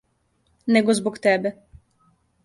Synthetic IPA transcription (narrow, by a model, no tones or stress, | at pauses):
nɛɡɔzbukt̪ɛbʲɛ